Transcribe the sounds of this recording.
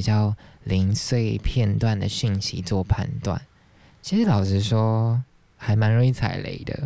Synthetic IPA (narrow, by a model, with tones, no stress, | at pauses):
t͡ɕjɑ˥˩ʊli˧˦˥ŋswe˥˧ɪpʰjɛ˥˧nt̪wa˥˩nd̪ə˩ɕi˥˨ŋɕi˧˥t͡swɔ˥˧pʰa̰˥˧nt̪wa̰˥˩n | t͡ɕʰi˧˥ʂɻ̩˧˥lɑ˨˩ʊʂʰɻ̩˥˧ʂwɔ˥ | xa˧˥ɪma˧˥nɻo˧˥ŋi˧˥˩t͡sʰa̰˨˩ɪlḛ˧˥ɪd̪ə̰˧